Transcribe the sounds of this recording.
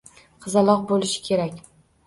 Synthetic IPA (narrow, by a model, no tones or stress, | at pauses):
qʰɨzalˠɒq̚bolˠɪʃɪ̥kʲʰe̞ɾakʲ